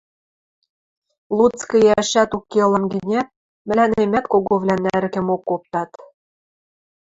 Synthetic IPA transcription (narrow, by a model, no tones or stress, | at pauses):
lˠut͡skɤ̆jæɕæt̪ukːelɤ̆mɡɘ̆nʲæ | mɘ̆lʲænemʲæt̪koɣoβlʲænæɾɘ̆kɘ̆mokːop̚t̪ɑt̪